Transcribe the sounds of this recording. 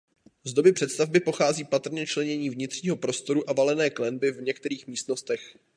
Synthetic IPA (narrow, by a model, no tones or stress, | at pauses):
zd̪o̞bɪpr̝̥ɛt̪st̪avbɪpo̞xaːziːpat̪r̩ɲɛt͡ʃlɛɲɛɲiːvɲɪt̪r̝̥ɲiːɦo̞pɾo̞st̪o̞ɾuʔavalɛnɛːklɛnbɪvɲɛkt̪ɛɾiːxmiːst̪no̞st̪ɛx